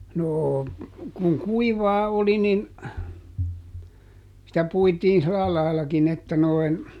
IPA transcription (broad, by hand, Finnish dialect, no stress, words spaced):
noː kuŋ kuiʋɑː oli nin sitæ puitiːn sĭlɑ lɑilkin etːæ noin